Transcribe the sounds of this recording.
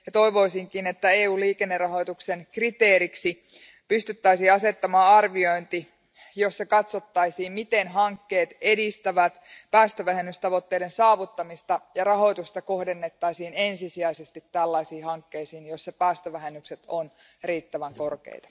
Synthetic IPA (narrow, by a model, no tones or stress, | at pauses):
jɑt̪o̞iʋo̞isiŋkinet̪ːæeːuːliːkenːerɑɦo̞jt̪uksenkrit̪eːɾiksi | pyst̪yt̪ːæisiːɑse̞t̪ːɑmɑːɑrʋio̞jnt̪i | jo̞sːɑkɑt̪sot̪ːɑisiːmmit̪enɦɑŋkːe̞ːt̪e̞dist̪æʋæt̪pæːst̪øʋæhenːyst̪ɑʋo̞t̪ːeidensɑːʋut̪ːɑmist̪ɑjɑrɑɦo̞jt̪ust̪ɑko̞hde̞nːet̪ːɑisiːne̞nsisiæisest̪it̪ːælːɑisiːhɑŋkːe̞isiːnjo̞sːɑpæːst̪øʋæɦenːykset̪on | riːt̪ːæʋæŋko̞rkḛijt̪ɑ̥